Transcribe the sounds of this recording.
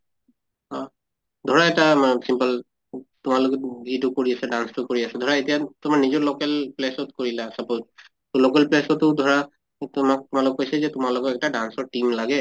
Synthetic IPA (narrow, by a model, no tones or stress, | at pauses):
ɔ̃ | dʱɔɹaɛtamasimpəl | tʊmalokɛzitukoɹiasɛdanstʊkoɹiasɛdʱɔɹaetijatʊmaɹnizɔɹlokɛlplesɔtkoɹilasapot | tʊlokɛlplɛsɔtʊdʱɔɹa | tʊmak̚tʊmalɔkojsɛzɛtʊmalɔkɔɛk̚taɖansɔɹʈimlaɡɛ